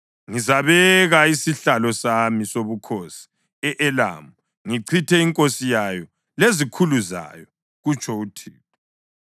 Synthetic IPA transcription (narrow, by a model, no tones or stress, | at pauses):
ŋizaβɛɣaisiɬalɔsamisoβukʰosi̥ | ɛʔɛla̰ːmu | ŋiǀʰitʰɛiŋkʼosijajɔ | lezikʰuluza̰jɔ | ɣut͡ʃʰʼɔutʰḭːɣɔ